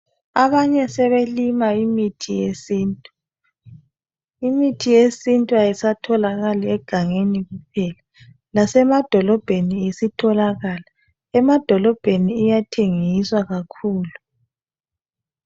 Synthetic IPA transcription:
aβaɲɛsɛβelimaimitʰijesintʼu | imitʰijesintʼuajisatʰɔlaɣaliɛɡ̥ʱaŋeniɣup̚ʰɛla | lasɛmad̥ʱɔlɔb̥ʱeniesitʰɔlaɣala | ɛmad̥ʱɔlɔb̥ʱeniːjatʰeŋiswaɣakʰuːlu

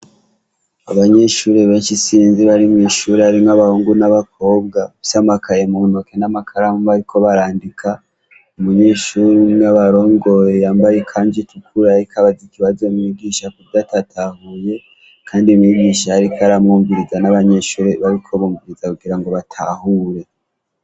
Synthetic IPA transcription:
aβaɲe̞ʃuːɾeβe̞ːnʃisiːnziβaɾimŋiʃuɾeaɾimŋaβahuːŋɡunaβak̚ʰo̞ːbɡasamakaje̞munoke̞namakʰaɾamuβaɾikʰo̞βaɾaːndikʰa | umuɲe̞ʃuɾinaβaɾo̞ːŋɡo̞jejaːmbajekʰaːɲd͡ʒitukʰuɾaɾikʰaβazikiβazo̞mŋiɡiʃakubjatatʰahuje̞ | kʰaːndimŋiɡiːʃaaɾikʰaɾamŋuːmviɾizanaβaɲe̞ʃuːɾeβaɾikʰo̞βuːmviɾizakuɡiɾaŋɡo̞βatʰa̰huɾe̞

